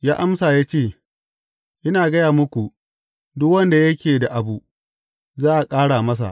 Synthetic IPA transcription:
jaː˦ʔa˦msaː˨jaː˦t͡ʃeː˦˨ | ʔɪ˦naː˨ɡɐ˦jaː˨mʊ˦kʷu˨ʔ | dʊ˦kwɐ˦nda˨jɐ˦kʲeː˨da˨ʔa˨bu˨ | zaː˦ʔa˨kʼaː˦ɽaː˨mɐ˦s̬a̰˨ʔ

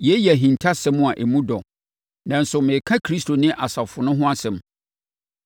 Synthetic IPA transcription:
jɛ˨˦jɛ˨ɦĩ˨ntʰa˦sɛ̃˦mʊ̃˦a˨ʔe˨mũ˦dɔ˨ | nã˨n̩˨sʊ˨mɪ̃˨kʰã˦kʰɾi˦stʰo˨nɪ̃˦ʔa˨sa˨fʊ˨nʊ̃˦ɦʊ̃˦a˦sɛ̃˨m

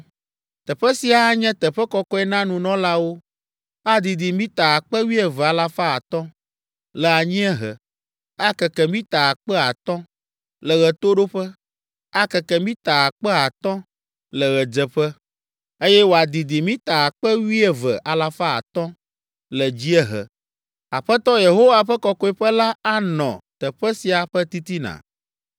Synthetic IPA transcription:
t̪ɛ˨ɸɛ˦si˨˦a˨˦ɲɛ̃˦t̪ɛ˨ɸɛ˦kɔ˦kɔ˦ɛ˦nã˦nũ˨nɔ̃˦la˦wo˦ | a˦d̪i˨d̪i˨mĩ˦t̪a˨a˨k͡pɛ˦wi˦ɛ˨vɛ˨a˨la˦fa˦a˨t̪ɔ̃˦ | lɛ˨a˨ɲĩ˦ɛ˦ɦɛ̰˨ | a˦kɛ˨kɛ˦˨mĩ˦t̪a˨a˨k͡pɛ˦a˨t̪ɔ̃˦ | lɛ˨ɣɛ˨t̪o˦ɖo˦ɸɛ˦ | a˦kɛ˨kɛ˨mĩ˦t̪a˨a˨k͡pɛ˦a˨t̪ɔ̃˦ | lə˨ɣɛ˨d͡ʒɛ˨ɸɛ˦ | e˦jɛ˦wo˨a˨d̪i˨d̪i˨mĩ˦t̪a˨a˨k͡pɛ˦wi˦ɛ˦vɛ˨ʔa˨la˨fa˦a̰˨t̪ɔ̃˦ | lɛ˨d͡ʑi˦ɛ˦ɦɛ̰˨ | a˨ɸɛ˦t̪ɔ̃˦je˨ɦo˦wa˨ɸɛ˦kɔ˦kɔ˦i˨ɸə˦la˦a˦nɔ̰̃˨t̪ə˨ɸɛ˦si˨a˨ɸɛ˦t̪i˦t̪i˦nã̰˨

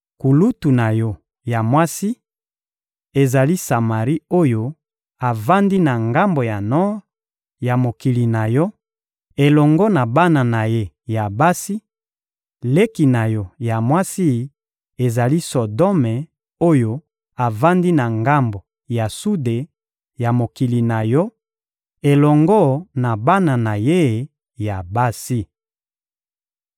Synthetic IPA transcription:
ku˨lu˦tu˨na˨jɔ˦ | ja˨mwa˦si˦ | e˨za˨li˦sa˨ma˨ʁi˦o˦jo˦ | a˨va˦ndi˦na˨ŋɡa˦mbo˨ja˨nɔ˦ʁ | ja˨mo˨ki˨li˨na˨jɔ˦ | e˨lɔ˨ŋɡɔ˦na˨ba˦na˨na˨je˦ | ja˨ba˦si˦ | le˦ki˨na˨jɔ˦ja˨mwa˦si˦ | e˨za˨li˦so˨dɔ˦mɛ˨ | o˦jo˦ | a˨va˦ndi˦na˨ŋɡa˦mbo˨ | ja˨su˦de˨ | ja˨mo˨ki˨li˨na˨jɔ˦ | e˨lɔ˨ŋɡɔ˦na˨ba˦na˨na˨je˦ | ja˨ba˦si˦

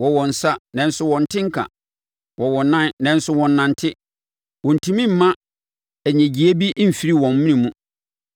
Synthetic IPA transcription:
wɔ˨wɔ̃˨n̩˨sa˦nɛ̃˨n˦sʊ˦wɔ̃˨n˨tʰɪ̃˦ŋ̩˦kʰã̰˨ | wɔ˨wɔ˨nã˦nnɛ̃˨n̩˦sʊ˦wɔ̃˨nːã˨n˨tʰɪ˦ | wɔ̃˨n̩˨tʰũ˨mĩ˦m̩˨˦mã˦ | æ˨ɲæ̃˨d͡ʑi˨æ˦bi˦ʔm̩˨fi˨ɾi˦wɔ̃˨m˦mĩ˦ĩ˨mũ˦

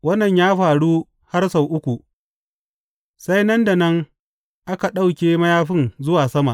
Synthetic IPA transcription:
wɐ˦nːɐ˨ɲjaː˦ɸaː˨ɽu˦ | ha˦rsa˨wʔʊ˦kʷu˨ | sa˦jnɐ˦nda˨nɐ˦ŋ | ʔa˦ka˨ɗa˦wkʲeː˦mɐ˦jaː˦ɸɪ˦nzʊ˦waː˨sɐ˦ma˨ʔ

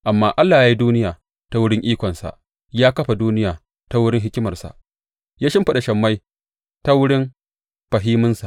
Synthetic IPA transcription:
ʔa˨mːaː˦ʔa˦lːaː˨jaː˦ji˦duː˦nɪ˦jaː˨ | ta˦wʊ˦ɽɪ˦ŋʔiː˦kʷɔ˨nsa̰˨ʔ | jaː˦kɐ˦ɸa˨duː˦nɪ˦jaː˨ | ta˦wʊ˦ɽɪ˦ŋɦɪ˦kʲɪ˦mɐ˨rsa̰˨ʔ | jaː˦ʃɪ˦mɸɐ˨ɗa˨ʃɐ˨mːa˦j | ta˦wʊ˦ɽɪ˦m | ɸɐ˨ɦiː˦mʊ˦nsa̰˨ʔ

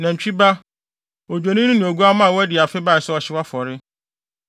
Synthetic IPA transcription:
nã˨ɲ̩˨t͡ɕᶣi˦ba˦ | o˨d͡ʑᶣo˨nĩ˦nʊ̃˦nɪ̃˨o˨ɡu˦a˦mã˦˨wɔ˦æ˦dɪ˨a˨fɪ˦ba˦˨sɛ˦ɔ˨ɕɪ˦wa˦fɔ˨ɾɪ˦

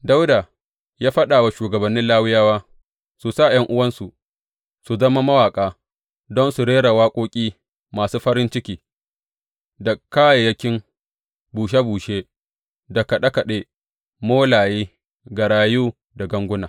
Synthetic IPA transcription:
da˦wdaː˨ | jaː˦ɸɐ˦ɗaː˨wa˨ʃuː˨ɡɐ˨bɐ˨nːɪ˦nlaː˦wɪ˦jaː˦waː˦ | su˨sa˦˨j̰ɐ˦ŋʔʊ˦wɐ˦nsu˨ | su˨zɐ˦ma˦mɐ˦waː˨kʼaː˦ | dɔ˦nsu˨ɽeː˦ɽa˨waː˦kʷʼoː˦kʲʼiː˦ | maː˨suː˦ɸɐ˦ɾɪ˦nt͡ʃɪ˦kʲiː˨ | da˨kaː˦ja˨jɐ˦kʲɪ˦ŋ | buː˨ʃ̬a˦buː˨ʃeː˦ | dɐ˨kɐ˨ɗa˦kɐ˨ɗeː˦ | moː˦laː˨jiː˦ | ɡa˨ɽaː˨juː˦ | da˨ɡɐ˦ŋɡʷʊ˦naː˨

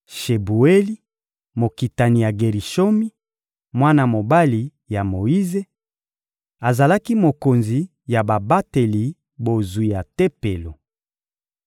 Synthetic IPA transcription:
ʃe˨bu˨e˦li˦ | mo˨ki˨ta˨ni˨ja˨ɡe˨ʁi˨ʃo˦mi˦ | mwa˦na˨mo˨ba˦li˨ | ja˨mo˨i˦ze˦ | a˨za˨la˦ki˦mo˨ko˨nzi˨ | ja˨ba˨ba˦te˨li˨ | bo˨zu˨ja˨te˦pe˨lo˨

